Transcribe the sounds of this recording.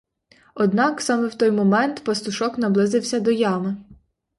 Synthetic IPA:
ɔd̪nɑksɑmɛwt̪ɔjmɔmɛnt̪pɐst̪ʊʃɔknɐblˠɪzɪwsʲɐd̪ɔjɑmɪ

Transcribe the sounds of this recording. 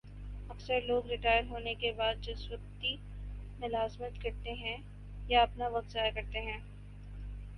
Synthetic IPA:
ɐksəɾloːɡɾɪʈaːjəɾɦoːnekebaːd̪̚d͡ʒɐswək̚t̪i | mʊlaːzmət̪kɐɾt̪eɦɛ̃ | jaɐpnaʋɐɡzaːjakɐɾt̪eɦɛ̃ː

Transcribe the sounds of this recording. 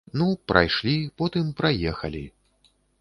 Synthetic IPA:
nupɾʔa̰jʂlʲipɔt̪ɨmpɾajɛxɐlʲi

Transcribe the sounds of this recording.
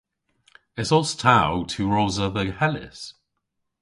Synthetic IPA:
ɪtsɔlˠstʰaʊtʰəɹoːzəðəhɛlɪ̰s

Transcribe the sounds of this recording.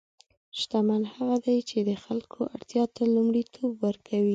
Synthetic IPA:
ʃt̪amanhaɣad̪ajt͡ʃed̪əxalkʰoʔa̰ɽt̪jɑt̪alumɽit̪ʰobwəɾkʰawi

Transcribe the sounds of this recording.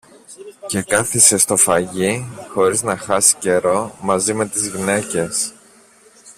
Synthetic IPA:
ce̞kɐθise̞st̪o̞fɐʝixo̞ɾiznɐxɐsi̥ce̞ɾo̞mɐzime̞t̪izʝine̞ce̞s

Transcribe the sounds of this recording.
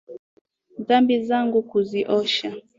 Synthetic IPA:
ðambizaŋɡukuziʔɔʃa

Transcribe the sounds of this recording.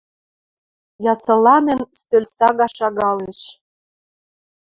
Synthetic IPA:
jɑsɤ̆lɑnĕnst̪ølʲsɑɣɑʃɑɣɑleʃ

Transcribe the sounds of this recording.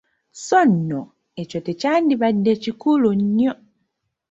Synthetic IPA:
sonːo | ecotecaːndiβadːecikuluɲɲo

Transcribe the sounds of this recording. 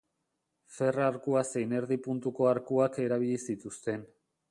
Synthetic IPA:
fe̞raːɾkuase̞jne̞ɾðipunt̪uko̞aɾkuake̞ɾaβ̞iʎisit̪ust̪e̞n

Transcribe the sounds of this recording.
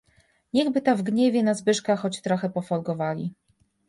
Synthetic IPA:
ɲɛɣbɘt̪avɡɲɛvʲjɛnazbɘʂkaxɔt͡ɕt̪ɾɔxɛpɔfɔlɡɔvalʲḭ

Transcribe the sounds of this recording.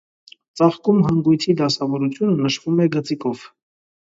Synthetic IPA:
t͡sɑχkumɦɑŋɡujt͡s̪ʰid̪ɑsɑvɔɾut͡sʰjunənəʃv̥umɛɡət͡sikɔv̥

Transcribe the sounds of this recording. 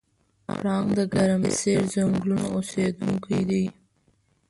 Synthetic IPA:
a̰ɾɑːŋd̪əɡaɾamɪ̰seɾzaŋɡluna̰osed̪uŋkid̪i

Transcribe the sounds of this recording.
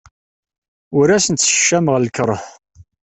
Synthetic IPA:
ʊɾæsənt̪sə̥ʃːæmʁlkɾˤəθ

